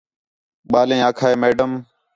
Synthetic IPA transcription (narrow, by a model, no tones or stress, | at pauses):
ɓaːlẽːaːkʰaːeːmeːɖəm